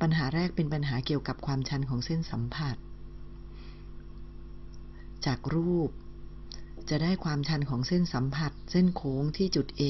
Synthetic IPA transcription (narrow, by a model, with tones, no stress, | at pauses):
pa˧nɦaː˩˦ɾɛː˥˩k̚pe˧npa˧nɦaː˩˦ki˨˩əwka˨˩p̚kʰwaː˧mt͡ɕʰa˧nkʰɔː˩˦ŋse˥˩nsa˩˦mpʰa˨˩t̪̚ | t͡ɕaː˨˩k̚ɾuː˥˩p̚ | t͡ɕa˨˩da˥˩jkʰwaː˧mt͡ɕʰa˧nkʰɔː˩˦ŋse˥˩nsa˩˦mpʰa˨˩t̪̚se˥˩nkʰoː˩˦ŋt̪ʰiː˥˩t͡ɕu˨˩t̪̚ʔeː˧